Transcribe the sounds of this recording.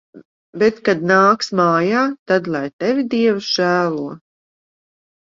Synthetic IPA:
bɛt̪kad̪naːksmaːjaːt̪ad̪lˠajt̪ɛvʲid̪iɛvsʒ̥æːlˠuɔ

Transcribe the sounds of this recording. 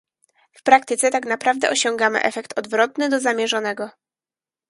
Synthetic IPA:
fpɾak̚t̪ɘt̪sɛt̪aknapɾavd̪ɛ̰ʔɔɕɔŋɡamɘ̰ʔɛfɛkt̪ʰɔd̪vɾɔt̪nɘd̪ɔzamʲjɛʐɔnɛɡɔ

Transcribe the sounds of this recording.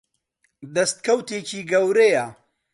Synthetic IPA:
d̪ɐst̪̚kɐwt̪eːciːɡɐwɾejɐ

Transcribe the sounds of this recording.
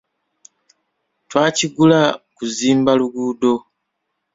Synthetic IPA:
twaːciɡulakuziːmbaluɡuːdo̞

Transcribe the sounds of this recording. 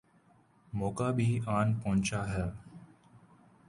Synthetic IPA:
moːkaːbʱiːaːnpɐɦʊ̃nt͡ʃaːɦɛː

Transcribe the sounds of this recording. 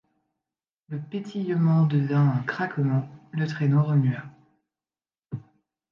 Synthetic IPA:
ləpet̪ʰijəmɑ̃d̪əvɛ̃ɛ̃kχakmɑ̃lət̪χenoʁəmya

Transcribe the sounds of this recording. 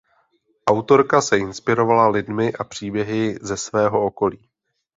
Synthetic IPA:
ʔawt̪o̞ɾkasɛɪnspɪɾo̞valalɪdmɪʔapr̝̥iːbjɛɦɪzɛsvɛːɦo̞o̞ko̞liː

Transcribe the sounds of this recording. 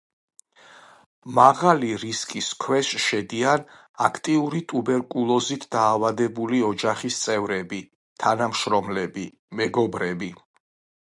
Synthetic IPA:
maʁaliɾiskʼiskʰwɛsʃɛd̪ian | a̰kʰt̪ʼiuɾit̪ʼubɛɾkʼulˠɔzit̪ʰd̪aːvad̪ɛbuliɔd͡ʒaχist̪sʼɛvɾɛbi | t̪ʰanamʃɾɔmlɛbi | mɛɡɔbɾɛbi

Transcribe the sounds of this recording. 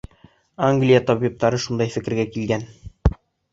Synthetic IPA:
aŋɡlʲijɑt̪ɒβip̚t̪ɑɾɤʃund̪ɑjfɘ̆kɘ̆ɾɡækilɡæn

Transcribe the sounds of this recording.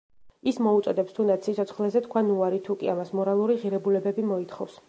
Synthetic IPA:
ismɔut̪sʼɔd̪ɛpst̪ʰund̪at̪sit̪ʰɔt̪sʰχlɛzɛt̪kʰwanuaɾit̪ʰukʼiamasmɔɾalˠuɾiʁiɾɛbulɛbɛbimɔit̪ʰχɔfs

